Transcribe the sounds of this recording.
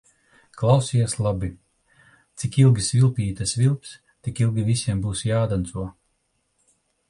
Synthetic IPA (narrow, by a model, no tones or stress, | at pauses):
klˠawsiɛslˠabi | t̪sikilˠɡʲisvʲilˠpʲiːt̪asvilˠps | t̪ikilˠɡʲivisʲiɛmbuːsjaːd̪ant̪suɔ